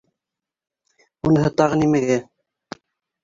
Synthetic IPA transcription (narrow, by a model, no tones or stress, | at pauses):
unɤ̆ɦɤt̪ɑʁɤnimæɡæ